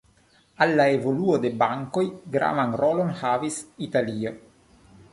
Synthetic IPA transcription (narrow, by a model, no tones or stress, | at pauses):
alːaevoluod̪e̞baŋkojɡɾa̰vanɾolonhavisit̪alio